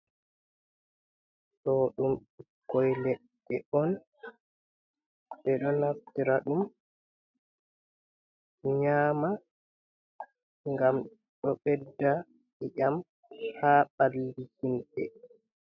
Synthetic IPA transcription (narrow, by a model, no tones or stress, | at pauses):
ɗɔɗumkːɔjlɛɗːɛʔɔn | ɓɛɗɔnaftiɾaɗum | ɲaːma | ŋɡam | ɗɔɓɛdːa | ʔɛʔam | haɓalːihinɗɛ̰